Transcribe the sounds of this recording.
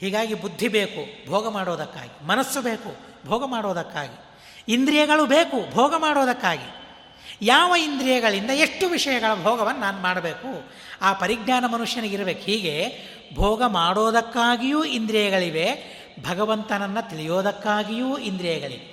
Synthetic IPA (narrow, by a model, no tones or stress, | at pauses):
hiːɡaːɡibud̪ʱːibe̞ːkubʱɔːɡɐmaːɽɔːd̪ɐkːa̰ːɡimɐnɐsːubeːku | bʱɔːɡɐmaːɽoːd̪ɐkːa̰ːɡi | ind̪ɾijɐɡɐɭubeːkubʱɔːɡɐmaːɽoːd̪ɐkːaːɡḭ | jaːʋɐind̪ɾijɐɡɐɭind̪ɐe̞ʂʈːuʋiʂɐjɐɡɐɭɐbʱɔːɡɐʋɐnːɐnaːnumaːɽɐbeːku | aːpɐɾiɡnaːnɐmɐnuʂjɐnɐɡiɾɐbeːkhiːɡe̞ | bʱɔːɡɐmaːɽoːd̪ɐkːaːɡijuːind̪ɾijɐɡɐɭiʋe̞ | bʱɐɡɐʋɐnt̪ɐnɐnːɐt̪iɭijoːd̪ɐkːaːɡijuːind̪ɾijɐɡɐɭḭʋe